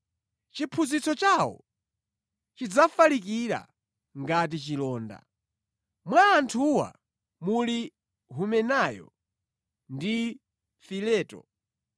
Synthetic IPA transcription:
t͡ʃipʰuzit͡sɔt͡ʃawɔ̰ | t͡ʃid͡zafalik̬iɾa̰ | ŋɡat̬it͡ʃilɔːnda̰ | mwaːntʰuwa̰ | muli | ɦumɛnajɔ̰ | ndi | filɛːtɔ̰

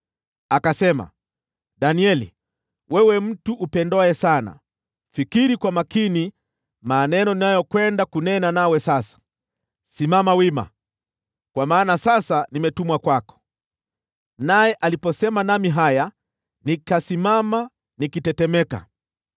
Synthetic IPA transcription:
akasɛma̰ | ɗaniɛli | wɛwɛm̩tuʔːpɛndɔɛsana̰ | fikiɾikwamakini | manɛnɔninajɔkwɛndakunɛnanawɛsasḁ | simamawima̰ | kwamaːnasasanimɛtumwakwakɔ̥ | najɛʔalipɔsɛmanamiɦaja | nikasimama | nikitɛtɛmɛka̰

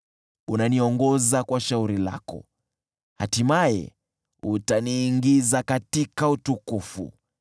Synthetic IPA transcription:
unaniɔŋɡɔzakwaʃauɾila̰kɔ̰ | ha̰timajɛ̰ | utaniːŋɡizakatikautukufṵ

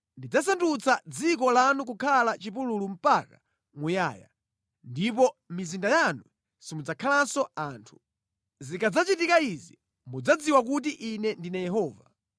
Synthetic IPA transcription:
ndid͡zasandut͡sad͡zikɔlanuk̬ukʰalat͡ʃipululum̩paka | mujaːja̰ | ndip̬ɔmizindajanu | simud͡zakʰalansɔaːntʰu̥ | zikad͡zat͡ʃitikaizi | mud͡zad͡ziwak̬ut̬iʔinɛndinajɛɦɔːva

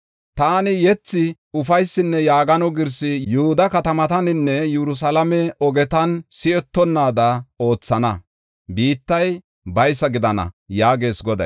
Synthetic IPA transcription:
t̪aːnɪjɛt͡sːɪ | ʊfɐjsːɪnːɛjaːɡɐnɔɡɪɾsɪjʊhʊd̪ɐkɐt̪ɐmɐt̪ɐnɪnːɛjɛɾʊs̬ɐlɐmɛɔɡɛt̪ɐnsɪɛt̪ːɔnːaːd̪ɐo̞ːt͡sːɐnɐ | biːt̪ːɐj | bɐjsɐɡɪd̪ɐnɐ̰jaːɡe̞ːsɡɔd̪ɐ̰j

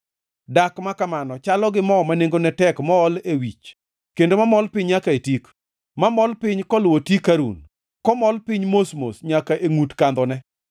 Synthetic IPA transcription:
dakmakamanɔt͡ʃalɔɡɪmɔmaneŋɡonɛtɛkmɔːlewit͡ʃ | kendomamɔlpɪɲjakaetik | mamɔlpɪɲkɔlwotikːaɾṵn | kɔmɔlpɪɲmosmo̰sɲakaʔeŋutkand̪ɔnɛ

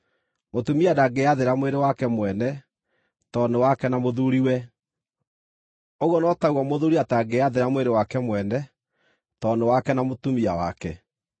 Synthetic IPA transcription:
motumiadaɡeaðeɾamoweɾewakɛmwɛnɛ | tɔnewakɛnamoðuɾiwɛ | oɣwɔnɔtaɣwamoðuɾiataɡeaðeɾamweɾewakɛmwɛnɛ | tɔnewakɛnamotumiawa̰kɛ

